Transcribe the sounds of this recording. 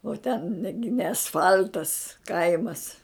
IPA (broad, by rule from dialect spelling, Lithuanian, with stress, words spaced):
oː tʲɛn nʲɛ ɡʲɪ nʲɛ ɐsˈfɐlʲtɐs ˈkɐɪmɐs